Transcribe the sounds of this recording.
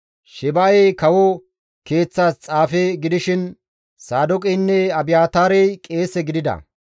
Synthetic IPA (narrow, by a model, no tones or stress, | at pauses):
ʃɛbaɛjkɐwɔ | ke̞ːt͡sːaːst͡sʼaːfɛɡɪd̪ɪʃɪn | saːd̪ɔkʼɛjnːɛɐbɪjaːt̪aːɾɛjkʼe̞ːsɛɡɪd̪ɪd̪ɐ̰